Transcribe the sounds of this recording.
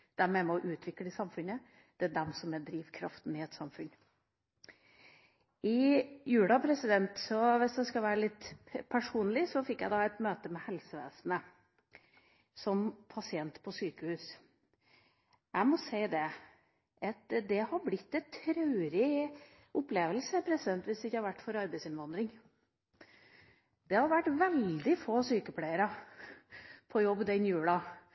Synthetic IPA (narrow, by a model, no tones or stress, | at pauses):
d̪̥æɾmɛmɛɔʔʉːt̪ʰʋɪkːləsɑmfʉnə | d̪̥ɛæd̪ɛmsɔmɛd̪ɾiːʋkʰɾɑft̪n̩ɪɛt̪sɑmfʉn | ɪjʉːɽɑpʰɾɛsɪd̪ɛnt̪sɔʋɪsd̪ɛskɑʋæːɾəlɪt̪ːpʰæʂuːnlɪsɔfɪkːjæ̰ɪd̪ɑɛt̪møːt̪əmɛhɛlsəʋḛːsnə | sɔmpʰɑsɪɛnt̪pʰɔsyːkəhʉːs | ʔæɪmɔseɪd̪ɛ | ʔɑt̪d̪ɛhɑɾblɪt̪ːɛt̪ʰɾɑʉɾɪ | ʔʊpleːʋəlsəpʰɾɛsɪd̪ɛnt̪ʋɪsd̪ɛɪçːəhɑɾʋæʈːfɔɾɑɾbæɪsɪnʋɑnd̪ɾɪŋ | d̪̥ɛhɑɾʋæʈːʋɛld̪ɪfoːsyːkəpʰlæɪəɾɑ | pʰɔjɔbːd̪ɛnjʉːlɑ